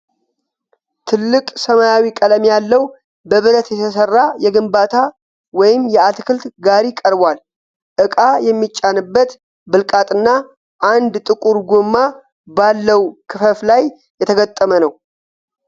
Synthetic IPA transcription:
t̪ʰɨlːɨkʼsəmajawikʼələmjalːəw | bəβɨlət̪jɛt̪ʰəs̬ərːajɛɡɨmbat̪ʰa | wɔjɪmjɛat̪kʰɨlt̪ɡaɾikʼəɾbʷal | ʔɨkʼajɛmːit͡ʃʼːanɨbːət̪ | bɨlkʼat̪ʼɨnːa | ʔand̪t̪ʼɨkʼuɾɡomːa | balːəwkʰɨfəflaj | jɛt̪ʰəɡət̪ʼːəmənəw

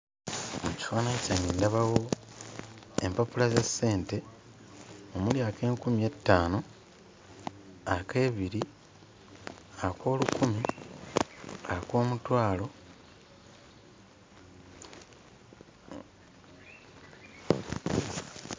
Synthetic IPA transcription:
muci̥faːnacaniːndaβawo̞ | empapulazasːe̞ːnte̞ | omuljaːke̞ːŋkumie̞tːaːno | ake̞ːβiɾi | akʰo̞ːlukumi | akwo̞ːmutwaːlo̞

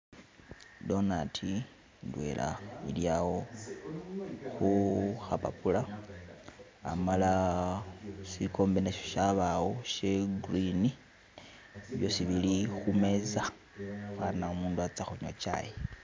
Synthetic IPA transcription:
do̞natʰi | ndwe̞̰lʔa̰ḭljawo̞ | xuxapa̰pula | amala | sikʰo̞ːmbeneʃoʃaβawoʃe̞ɡrini | βjo̞siβilixume̞za | xanaumuːnduat͡saxoɲwot͡ʃa̰je

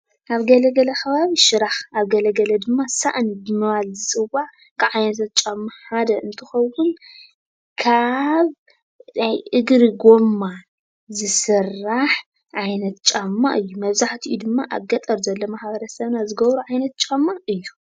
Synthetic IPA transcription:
ʔaβɡɐlɐɡɐlɐxɐβaβiʃɨɾaxaβɡɐlɐɡɐlɐd̪ɨmːasaʔɨnbɨmɨβalzɨsʼɨwaʕ | kʰaβʕajnɐt̪ʰɐt̪̚t͡ʃʼamːaħad̪ɐʔɨnt̪ʰɨxɐwwun | kʰaβ | najʔɨɡɾiɡo̞mːa | zɨsɨrːaħ | ʕajnɐt̪t͡ʃʼamːa̰ʔɨjːumɐβzaħt̪ʰiʔud̪ɨmːaʔa̰ɡɐt̪ʼɐɾzɐlːomaħbɐɾɐsɐβnazɨɡɐβɾuʕajnɐt̪̚t͡ʃʼamːaʔɨjːu

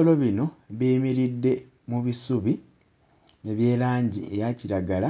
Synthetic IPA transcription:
olo̞βino̞βiːmiɾidːe̞ | muβisuβi | eβje̞ːlaːɲɟie̞jaciɾaɡala

